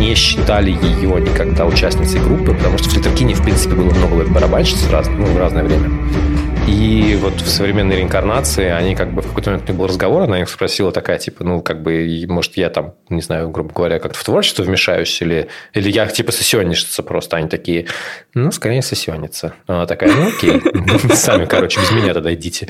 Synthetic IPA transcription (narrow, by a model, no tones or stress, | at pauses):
nʲɪɕːɪ̥t̪alʲɪjɪjonʲɪkaɡd̪aʊt͡ɕæsʲtnʲɪt̪səɪɡɾupːɨpət̪ɐmuʂt̪o̥ft̪ʲɪt̪ərkʲinʲɪfpɾʲint̪sɨ̥pʲɪbɨlˠəmno̞ɡəvɛt̪bəɾɐbanʲɕɪ̥t̪sra̰znnuvraznəjəvɾʲemʲə | ivo̞t̪fsəvɾʲɪmʲenːəjɾʲɪnkɐrnat̪sɨɪɐnʲikaɡ̚bɨfkɐkojt̪mʲet̪nʲiɡbɨlˠrəzɡɐvo̞ɾɐnaixspɾɐsʲilˠət̪ɐkajətʲipənukaɡ̚bɨmo̞ʐɨ̥t̪jat̪am | nʲɪznajʊɡɾubəɡəvɐɾʲakak̚t̪ə̥ft̪vo̞rt͡ɕɪst̪vəvmʲɪʂa̰jʉsʲilʲɪilʲɪjatʲipəsəsʲɪonʲːɪʂɪ̥t̪səpɾo̞st̪əɐnʲit̪ɐkʲijənuskɐɾʲejnʲɪsəsʲɪonʲːɪt̪sənoɐnat̪ɐkajənuokʲejsamʲɪkɐɾo̞t͡ɕɪbʲɪzmʲɪnʲat̪ɐd̪aɪdʲitʲɪ